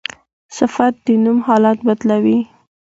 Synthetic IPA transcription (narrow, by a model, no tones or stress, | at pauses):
sɪfat̪̚d̪ənumhɑlɑt̪̚bad̪lawi